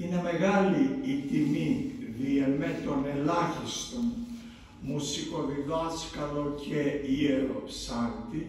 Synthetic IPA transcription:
ineme̞ɣɐliːt̪imiðiɐmet̪onelɐçist̪on | musikoðiðoskɐlocʰeieɾo̰sɐnt̪i

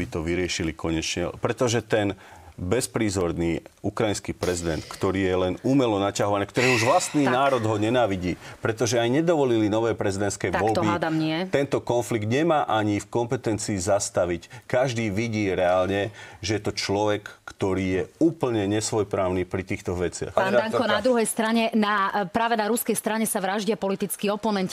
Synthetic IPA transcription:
bit̪ɔʋiɾɪɛʃilikɔɲɛt͡ʃɲɛ̰pɾɛt̪ɔʒɛt̪ɛnbɛspɾiːzɔɾniːukɾajinskiːpɾɛzid̪ɛnt̪kt̪ɔɾiːjɛlɛnuːmɛlɔnacaɦɔʋanɛkt̪ɔɾɛːuʒʋlast̪niːnaːɾɔd̪ɦɔɲɛnaːʋiɟiːpɾɛt̪ɔʒɛajɲɛd̪ɔʋɔlilinɔʋɛːpɾɛzid̪ɛnt̪skɛjʋɔlbiɛt̪ɛnt̪ɔkɔnfliɡd̪ɲɛmaːʔaɲifkɔmpɛt̪ɛnt͡siːzast̪aʋickaʒd̪iːʋiɟiːɾɛaːlɲɛʒɛjɛt̪ɔt͡ʃlɔʋɛkːt̪ɔɾiːjɛuːpl̩ɲɛɲɛsʋɔjpɾaːʊniːpɾit̪iːxt̪ɔʋɛt͡sɪa̰xanaŋkɔnad̪ɾuɦɛjst̪ɾaɲɛnapɾaːʋɛnaɾuskɛjst̪ɾaɲɛsaʋɾaʒɟɪapɔlit̪it͡skiɔpɔnɛnt

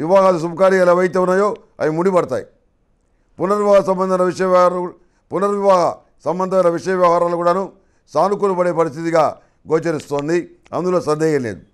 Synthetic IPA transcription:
ʋiʋaːɦɐɐd̪is̬ubɐkaːɾiɐleːʋɐjit̪̬eːunːaːjo̞ː | ɐ̰jɐnmuɽipɐɽɐt̪a̰ːji | punːɐɾʋiʋaːɦɐsɐmbɐnd̪ʱɐnɐʋiʂɐjɐʋj | punːɐɾʋiʋaːɦɐ̰ | sɐmbɐnd̪ɐɐnɐʋiʂɐjɐʋjɐʋɐɦaːɾaːlukuːɽaːnu | saːluk̬ulupɐɽe̞ːpɐɾist̪ʰit̪iɡaː | ɡoːt͡ʃɐɾist̪oːnd̪i | ɐ̰nd̪uloːsɐnd̪ɛːɡɐlḛːd̪u

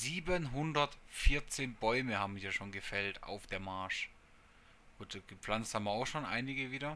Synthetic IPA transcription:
ziːbənɦʊndɐtfɪɐt͡seːnbɔʏməhaːbm̩mɪjaːʃoːnɡəfɛlta̰ʊfd̥eːɐmaɐʃ | ɡ̥uːtɡ̥əp͡flant͡sthaːbmaʊxʃoːnʔa̰ɪnɪɡəviːdɐ

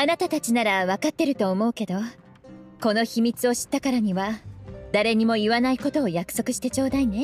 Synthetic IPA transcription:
anat̪at̪at͡ɕinaɾaβakat̪ːe̞ɾɯ̟t̪o̞ːmo̞ɯ̟ke̞d̪o̞ | ko̞no̞çimʲit͡sɨo̞ɕi̥t̪ːakaɾaɲ̟iβad̪̥aɾe̞ɲ̟imo̞iβanaiko̞t̪o̞ːjakɯ̥so̞kɯ̟ɕi̥t̪e̞t͡ɕo̞ːd̪aine̞

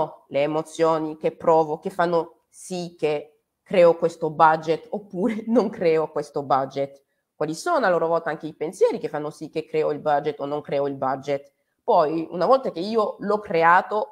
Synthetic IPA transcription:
leːmot̪sːjoːnik̟epːɾɔːvokefːanːo | sikːe | kːɾɛːokwest̪obad͡ʒet̪opːuːɾenoŋkɾɛːokwest̪obad͡ʒet̪ | kwaːlisoːnoaloːɾovɔlt̪aaŋk̟eipensjɛːɾik̟efːanːosikːekːɾɛːoilbad͡ʒet̪ːonːoŋkɾɛːoilbad͡ʒet̪ | pɔjṵnavɔlt̪ak̟eiːolɔkːɾeaːt̪o

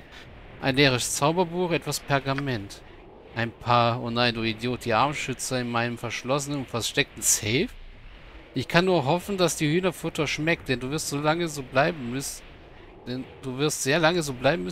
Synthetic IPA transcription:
ʔa̰ɪnleːʁ̞əʃt͡saʊbɐbuːxʔɛtv̥aspʰɛɐɡamɛnt | ʔaɪnpʰaːɐʊnaɪdoːidjoːt̚d̥iːʔaɐmʃʏt͡sɐɪnmaɪnəmfɛɐʃlɔs̬ənənʊnfɛɐʃtɛk̚tn̩sɛːf | ʔɪçkʰanːuːɐɦɔfn̩d̥asd̥iːhyːnɐfʊtʰɐʃmɛk̚t̚d̥ɛnduːvɪɐstz̥oːlaŋəzoːblaɪbm̩mʏs | d̥ɛnd̥uːvɪɐstz̥eːɐlaŋəzoːblaɪbm̩mʏ

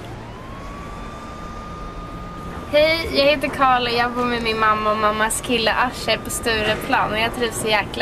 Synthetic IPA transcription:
hɛjjɑːɡheːt̪əɾkʰɑːɭjɑːɡbuːɾmɛmɪnmamːaɔmamːaskʰɪlːə̰ʔaʂəɾpʰɔst̪ʉ̟ːɾəpʰlɑːnɔjɑːt̪ʰɾiːvsɔjæːkl

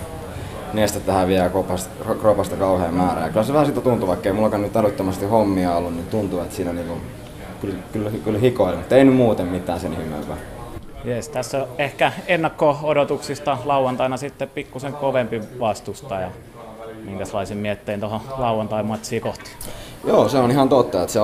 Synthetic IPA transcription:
neˑst̪æt̪ʋæhæʋiælkopɑst̪ | rkropɑst̪ɑkɑuheːmmæːræ̰jɑkylæseʋæhæsit̪æt̪unt̪uʋɑikːeimulːɑkɑnnyt̪ælyt̪ːømæst̪ihomːiɑolːunnit̪unt̪uet̪siːnæniːŋkun | kylkylkylhikoˑilemut̪ːeinymmuːt̪emmit̪ˑæːnsenihimḛʋʋæ | jest̪æsːæehkæenːɑkːoodot̪uksist̪ɑlɑuwɑnt̪ɑinɑsit̪ːeppikːuseŋkoʋempiʋɑst̪ust̪ɑjɑ | miŋkæselˑɑisemmiæhet̪ːeint̪oholɑuwɑnt̪ɑimɑt̪siːkoht̪i̥ | joːseonihɑnt̪ot̪ːɑet̪se

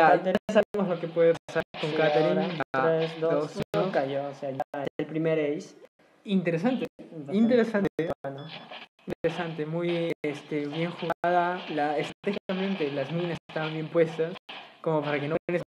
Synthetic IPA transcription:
at̪saemozlo̞ke̞pwe̞ðepasako̞ŋkat̪eɾiaɾesd̪d̪osnokaʝoseaʎaelpɾimeɾejs | int̪e̞ɾes̬ant̪eint̪eɾesannoint̪eɾesant̪e̞mujest̪eβje̞ŋxuɣaðalaest̪ɾat̪exikamẽnt̪e̞lazmĩnasest̪aβambjempwe̞st̪asko̞mo̞paɾake̞nokenes

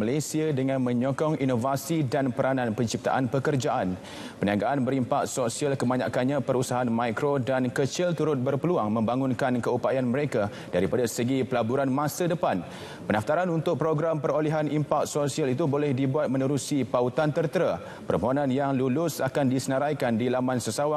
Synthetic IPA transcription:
məlasiadəŋãnmə̃ɲɔkɔŋinovasidanpəɾanãnpəɲt͡ʃip̚t̪a̰ʔanpəkərd͡ʒaʔan | pəniaɡaʔanbəɾimpak̚t̪̚sosialkəmaɲa̰kanɲãpəɾusaɦanmãjkɾodankət͡ʃɪlt̪uɾʊt̪̚bərpəluaŋmə̃mbaŋʊnkankəupajanməɾeka | daɾipadasəɡipəlabuɾanmãsadəpan | pənaft̪aɾanunt̪ʊk̚pɾoɡɾampərɾolɛɦanimpak̚t̪̚sosialit̪ubolɛhdibuat̪̚mə̃nəɾusipaut̪ant̪ərt̪əɾa | pərmoɦonãnjaŋlulʊsakandisənəɾajkandilamansəsawa

